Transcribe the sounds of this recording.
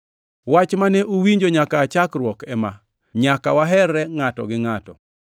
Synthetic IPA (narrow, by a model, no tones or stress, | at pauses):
wat͡ʃmanɛʔuwiɲd͡ʒoɲakaːt͡ʃakɾwɔkɛma | ɲakawaɦɛrːɛŋatɔ̰ɡɪŋatɔ̰